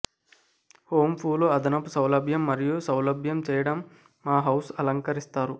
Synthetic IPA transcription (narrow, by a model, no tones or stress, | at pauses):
hoːmpʰuːloɐd̪ɐnɐpusɐwlɐbʱjɐmːɐɾijusɐwlɐbʱjɐmt͡ʃɛːjɐɽɐmː | aːɦɐwsɐlɐŋkɐɾist̪aːɾu